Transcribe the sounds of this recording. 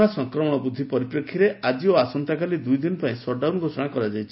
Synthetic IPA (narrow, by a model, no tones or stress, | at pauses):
ɽ̃asɔŋkɾɔmɔɽ̃ɔbud̪ʱːipɔɾipɾekʰːiɾeʔad͡ʒioasɔnt̪akalid̪ujd̪inɔpaĩsɔɖawnɡʱosɔɽ̃akɔɾad͡ʒajt͡ʃʰi̥